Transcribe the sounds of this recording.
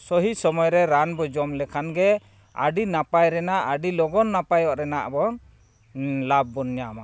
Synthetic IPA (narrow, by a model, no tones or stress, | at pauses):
sɔɦisɔmɔjɾɛɾanbɔd͡ʒɔmlɛkʰanɡɛ | a̰ɖinapajɾɛnaʔaɖilɔɡɔnːapajɔʔɾɛnaʔbɔn | lab̚ːɔnɲama